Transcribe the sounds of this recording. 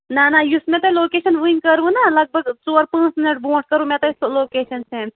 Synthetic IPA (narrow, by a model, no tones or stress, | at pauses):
nanajusmẽt̪ɐloːkeːʃɐnʋɨiŋkəɾʋũnalɐɡ̚bʱəɡt͡soːɾpə̃ːnt͡sminiʈ̚bõːʈkɐɾʋũmet̪ɐsoloːkeːʃɐnsẽ